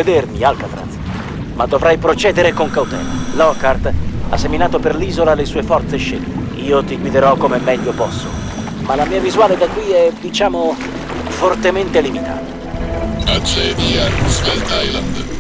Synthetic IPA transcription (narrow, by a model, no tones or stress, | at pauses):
ed̪ermialkat̪ɾa̰t̪t̪s | mad̪ːovɾajpɾot͡ʃɛːd̪eɾekoŋkawt̪ɛ̰ːlalɔkart̪asːeminaːt̪operliːzolalesuːefɔrt̪seʃːɛ̰lt̪e | iːot̪iɡwid̪eɾɔkːomemːɛʎːopɔsːo̰ | malamiːavizuwaːled̪akːwiɛd̪it͡ʃaːmo | fort̪ement̪elimit̪ʰa̰ːt̪o | at͡ʃeviːauskalt̪ajla̰nd̪